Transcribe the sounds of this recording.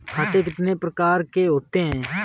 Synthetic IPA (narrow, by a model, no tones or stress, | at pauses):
kʰaːt̪eːkɪt̪neːpɾəkaːɾkeːɦoːt̪eːɦɛ̃ː